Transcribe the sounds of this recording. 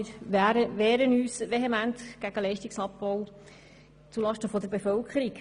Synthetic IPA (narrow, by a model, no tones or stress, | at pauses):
ɾɾəʋɛːɾənyːsʋeɦemænt̪ɡ̥æɡ̥əlɛɪʃtiksɑpbɔʊ | t͡sulɑʃtəfɔd̪əɾbefœlkʰəɾik